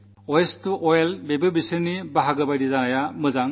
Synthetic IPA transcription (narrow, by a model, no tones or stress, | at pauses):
ɔjestuʔɔjelbebɯbisɯɾnibaɦaɡɯbajdizanajamɯzaŋ